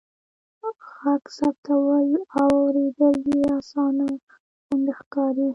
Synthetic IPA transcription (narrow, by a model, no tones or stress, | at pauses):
xaksab̚t̪ʰawəlawawɾed̪əliasɑna | xʊnd̪exkɑɾi